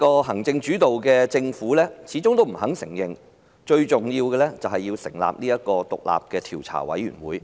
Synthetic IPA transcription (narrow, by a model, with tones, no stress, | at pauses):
kɔː˧ɦɐ˨˩ŋt͡sɪ˧ŋt͡ʃyː˨˥t̪o˨wkɛː˧t͡sɪ˧ŋfuː˨˥lɛː˥t͡sʰiː˨˥t͡sʊ˥ŋt̪o˥m̩˨˩hɐ˨˥ŋsɪ˨˩ŋjɪ˨˩ŋ | t͡ʃɵ˧ɥt͡sʊ˨ŋjiː˧wkɛː˧lɛː˥t͡sɐ˨whɐ˨jːiː˧wsɪ˨˩ŋla̰ː˨p̚niː˥jɐ˥t̚kɔː˧t̪ʊ̰˨k̚la̰ː˨p̚kɛː˧t̪ʰi˨˩wt͡sʰa̰ː˨˩wɐ̰˨˥jɥyː˨˩nwuː˨˥j